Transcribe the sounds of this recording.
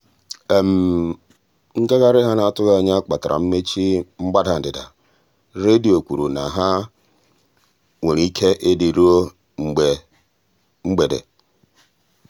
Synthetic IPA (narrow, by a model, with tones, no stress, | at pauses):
e˨m̩˨ | ŋ̩˦ka˦ɣa˦ɾɪ˦ɦa˦na˨a˨tʊ˦ɣa˨ɲa˦a˦k͡pa˨ta˨ɾʔa̰˨m̩˦me˦t͡ʃi˦ŋ͡m̩˦ɡ͡ba˦da˨n̩˨dɪ˨da̰˨ | ɾe˦di˨o˨kʷu˨ɾu˨na˨ɦa˦ | ŋe˨ɾi˦kʰe˦ʔe˦di˨ɾu˦o˦ | ŋ͡m̩˨ɡ͡be˨ | ŋ͡m̩˦ɡ͡be˨dḛ˨